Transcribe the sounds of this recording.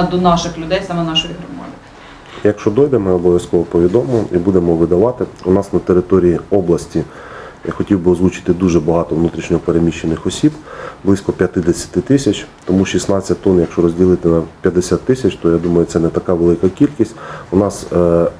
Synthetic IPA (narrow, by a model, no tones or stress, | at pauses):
d̪ɔnɑʃɪxlʲʊd̪ɛjsɑmɛnɑʃɔjiɦɾʊmɑ̰d̪ʲɪ | jɐkʃt͡ʃɔd̪ɔjd̪ɛmɪɔbɔʋʲjɐskɔʋɔpɔʋʲid̪ɔmɔɔʔibud̪emɔʋɪd̪ɐʋɑt̪ɪʊnɑsnɐt̪eɾɪt̪ɔɾʲijiɔblˠɐsʲtʲi | xɔtʲiwbɪɔzlˠut͡ʃɪ̥t̪ɪd̪uʒɛbɐɦɑt̪ɔʋnut̪ɾʲiʃnʲɔɦɔpeɾemʲiʃːenɪxɔsʲibblˠɪsʲkɔpʲjɐt̪ɪd̪esʲɐ̥t̪ɪt̪ɪsʲɐt͡ʃʲt̪ɔmuʃisnɑt͡sʲːɐt̚ʲt̪ɔnjɐkʃt͡ʃɔɾɔzʲdʲilˠɪt̪ɪnɐpʲjɐd̪esʲat̪ːɪsʲɐt͡ʃt̪ɔjad̪umɐjʊt̪ɛnɛt̪ɐkɑʋelˠɪkɐkʲilʲkʲisʲtʲʊnɑs